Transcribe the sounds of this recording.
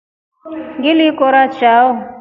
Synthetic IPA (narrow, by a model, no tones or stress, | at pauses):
ŋɡilikɔɾat͡ʃaʊ